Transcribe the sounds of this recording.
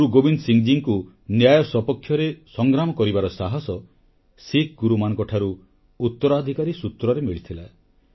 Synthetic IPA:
ɾuɡobinsiŋd͡ʒiŋku | njajɔsɔpɔkʰːjɔɾesɔŋɡɾamɔkɔɾibaɾɔsaɦɔsɔ | sik̚ɡuɾumanɔ̃ŋkɔʈʰaɾu | ut̪ːɔɾɔad̪ʱikaɾisut̪ɾɔɾemiɭit̪ʰila

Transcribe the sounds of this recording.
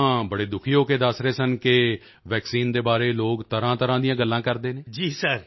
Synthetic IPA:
ãːbəɽeːd̪ʊkʰiːɦoːkeːd̪əsɾeːsənkɪ | ʋɛːksiːnd̪eːbaːɾeːloːkt̪əɾãːt̪əɾãːd̪ɪjãːɡəlːãːkəɾd̪eːneːd͡ʒiːsəɾ

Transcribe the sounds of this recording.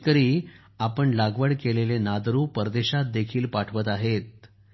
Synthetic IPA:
kəɾiː | apəɳlaɡʋəɽkelelenad̪ɾuːpəɾd̪eɕat̪̚d̪ekʰiːlpaʈʰʋət̪aɦet̪̚

